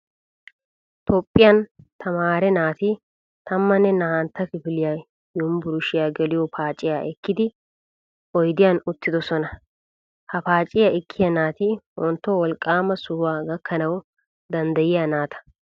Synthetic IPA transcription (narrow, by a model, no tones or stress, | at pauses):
t̪ʰɔpʼːɪjɐnt̪ʰɐmaːɾɛnaːt̪i | t̪ɐmːɐnːɛnɐhant̪ːɐkɪfɪlɪjaj | jʊmbʊɾʊʃɪjaːɡɛlɪjɔpʰaːt͡ʃʼɪjaːʔɛkːɪd̪ɪ | ʔɔjd̪ɪjaːnʊt̪ːɪd̪ɔsɔnɐ | hɐpaːt͡ʃʼɪjɐɛkʰːɪjɐnaːt̪iwɔnt̪ːɔwɔlkʼːaːmɐsʊhʊwaːɡɐkʰːɐnɐw | d̪ɐnd̪ɐjɪjaːnaːt̪ʰɐ̥